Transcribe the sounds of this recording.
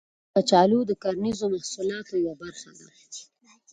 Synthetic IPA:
pət͡ʃɑlud̪əkaɾnizomahsulɑt̪ojwabaɾxad̪a̰

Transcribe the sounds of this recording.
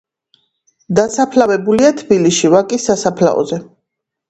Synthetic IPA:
d̪asapʰlavɛbuliat̪ʰbiliʃivakʼisːasapʰla̰ɔ̰zɛ

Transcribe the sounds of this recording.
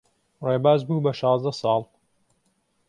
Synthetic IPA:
reːbaːzbuːbɐʃɑːzd̪ɐsˤɑːlˠ

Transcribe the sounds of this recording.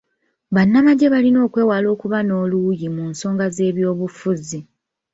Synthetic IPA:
βanːamaɟe̞βalino̞ːkwe̞ːwalo̞ːkuβano̞ːlujimunso̞ːŋɡaze̞ːβjo̞ːβufuzi

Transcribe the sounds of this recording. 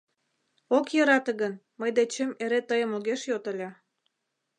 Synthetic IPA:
okjɤɾɑt̪əɣən | məjd̪et͡ɕemeɾet̪əjəmoɣeʃjot̪ə̆lʲɑ

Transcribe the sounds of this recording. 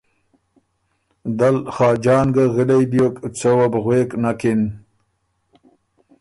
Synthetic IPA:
d̪alχɑːd͡ʒɑːnɡaɣilejbjokt͡səwabɣweːknakin

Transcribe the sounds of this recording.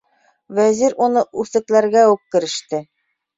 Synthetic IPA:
wæziɾunɤʔʉθɘ̆klæɾɡæʉp̚kɘ̆ɾɘ̆ʃt̪ɘ

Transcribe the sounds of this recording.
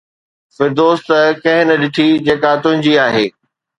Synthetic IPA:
fɪɾd̪oːst̪əkɐ̃ɦɪ̃nɐɗɪʈʰid͡ʑeːkat̪ʊ̃ɦɪ̃ɲd͡ʑiaːɦeː

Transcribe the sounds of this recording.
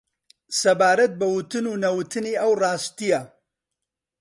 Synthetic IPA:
sɐbaːɾɐt̪̚bɐwʊt̪ɨnuːnɐwut̪ʰɨniːʔɐwrɑːst̪ijɐ

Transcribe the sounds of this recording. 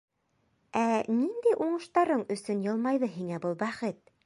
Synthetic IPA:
ænind̪æjʔuɴɤ̆ʃt̪ɑɾɤɴɵ̆sɵnjɤ̆lˠmɑjðɤɦiŋæbɤlˠbæχɘt̪̚

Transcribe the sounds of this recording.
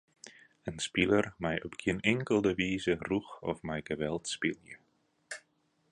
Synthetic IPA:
ənspilərmɛjɔpɡʰiənɪŋkəlˠdəʋiːzəruxɔ̰fmɛjɡəʋɛlˠtspilˠjə̰

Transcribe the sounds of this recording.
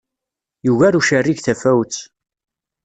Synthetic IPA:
juʝæɾuʃærːiʝθæfæwt͡sː

